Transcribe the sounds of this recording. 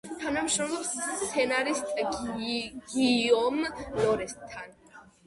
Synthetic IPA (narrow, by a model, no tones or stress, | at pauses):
t̪ʰanamʃɾɔmlˠɔssʰɛnaɾist̪ʼ | ɡ̥iɔmlɔɾɛst̪ʰːan